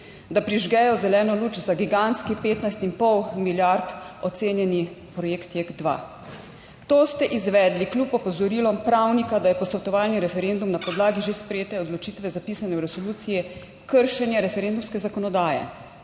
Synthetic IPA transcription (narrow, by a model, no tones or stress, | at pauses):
d̪apɾiʒɡɛjɔzɛlɛːnɔluːt͡ʃzaɡiɡant̪skipeːt̪najst̪impɔwmiljaɾt̪ɔt̪seːnjɛnixpɾɔjeːkt̪jek̪d̪ʋa̰ | t̪oːst̪ɛʔizʋɛːd̪liklʲupɔpɔzɔɾiːlɔmpɾawnikad̪ajɛpɔsɔt̪ɔʋaːlniɾɛfɛɾeːnd̪umnapɔd̪laːɡiʒespɾɛjeːt̪ɛɔd̪lɔt͡ʃiːt̪ʋɛzapiːsanɛwɾɛsɔluːt̪sijɛ | kəɾʃɛnjɛɾɛfɛɾend̪umskɛzakɔnɔd̪aːjɛ̰